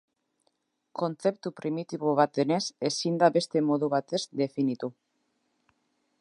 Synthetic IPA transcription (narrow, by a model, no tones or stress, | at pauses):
ko̞nt͡se̞p̚t̪upɾimit̪iβ̞oβ̞at̪̚e̞ne̞se̞sind̪aβe̞st̪e̞mo̞ðuβ̞at̪e̞zd̪e̞finit̪u